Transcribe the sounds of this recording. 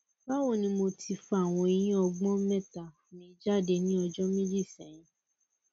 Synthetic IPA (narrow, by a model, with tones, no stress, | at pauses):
ba˦wo˦˨nĩ˧mo˧ti˧fa˦˨w̃ɔ̃˧i˧jĩ˦ɔ˧ɡ͡bɔ̃˦mɛ̃˦˨ta˨fmĩ˧i˦d͡ʒa˦˨de˧nĩ˦ɔ˧d͡ʒɔ˦mĩ˦d͡ʒi˦˨sɛ̃˨j̃ĩ˨